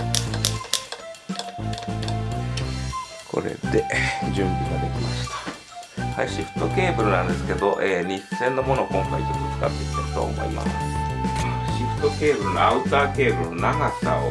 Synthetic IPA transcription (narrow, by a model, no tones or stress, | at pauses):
kʰo̞̰ɾe̞̰d̪e̞d͡ʑɨ̃mbʲiɡad̪e̞kʲimaɕi̥t̪ḁ | haiɕiɸɯ̟̥t̪oke̞ːbɯ̟ɾɯ̟nãnd̪e̞sɨ̥ke̞d̪o̞ʔeːɲ̟içɯ̥se̞nːomo̞nokõŋka̰ikikɯt͡sɨ̥ka̰t̪ːeki̥t̪eki̥t̪o̰o̰mo̰ḭma̰sɨ̥ | ɕiɸt̪o̞ke̞ːbɯɾɯnoaɯ̟t̪aːke̞ːbɯ̟nonaɡasa̰o̰